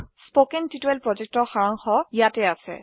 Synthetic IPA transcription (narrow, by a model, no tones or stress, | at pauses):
spokɛntituɛlpɹɔzɛk̚tɔxaɹaŋxɔjatɛasɛ̰